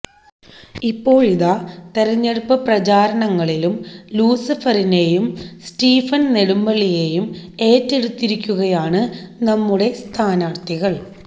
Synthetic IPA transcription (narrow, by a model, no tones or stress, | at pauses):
ipːo̞ːɭiðat̪eɾɐɲːeɽupːɐprɐt͡ɕaːɾɐnɐŋːɐɭilumluːsɐfɐrine̞jumstiːfɐnneɽumbɐɭije̞jume̞ːtːeɽut̪ːiɾikʲːuɣɐjaːɳɨnɐmːuɽe̞st̪ʰaːnaːrt̪iɣɐɭ